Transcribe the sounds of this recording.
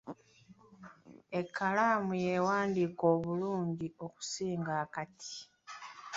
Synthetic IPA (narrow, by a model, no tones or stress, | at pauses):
e̞kːalaːmujewaːndiːko̞ːβuluːɲɟio̞ku̥siːŋɡaːkatʰi̥